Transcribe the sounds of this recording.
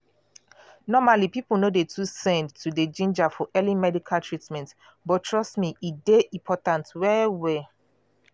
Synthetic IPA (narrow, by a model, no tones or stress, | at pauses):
nɔmalipipulnodetʰusɛ̃ndtuded͡ʒĩnd͡ʒafɔʔɛlĩmɛdikʰaltʰɹitmɛ̃nt | bɔtʰɹɔstmiʔideʔĩmpʰɔtãntwɛwɛ